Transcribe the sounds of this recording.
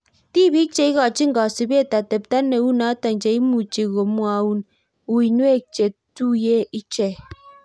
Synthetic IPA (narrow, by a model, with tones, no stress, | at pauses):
ti˦˨bi˦t͡ʃe˨˦i˦ɣɔ˨t͡ʃi˦ŋ̩˦ɡɔ˨si˨be˦˨ta˨te˨p̚ta˦nːe˨˦wu˦na˨˦ta˨ŋd͡ʒe˨i˦mu˨t͡ʃe˨ɣo˨˦mwa˨˦wu˦n | u˨i˨nwe˦˨t͡ʃe˨tu˦je˦i˦t͡ʃe˨